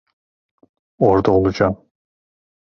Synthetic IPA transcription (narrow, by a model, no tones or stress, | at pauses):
oɾd̪aolˠud͡ʒaːm